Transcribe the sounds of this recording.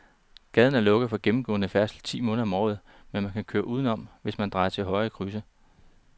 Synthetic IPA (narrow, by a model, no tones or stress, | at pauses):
ɡ̥ɛð̞ˠn̩æɐlɔ̽ɡ̥ð̩ˠfɒ̽ɡ̥emm̩ɡ̥ɔ̰̽ːnəfæɐsl̩t͡sʰḭːmɔ̽ːnðɐɒ̽mɒ̰ːð̩ˠ | menmænkʰækʰøːɐʔuːð̞ˠn̩ɒ̽m̰ʋe̝smænd̥ʁɑ̈ɪɐt͡sʰe̝lɦɒ̽ɪəkʰʁysə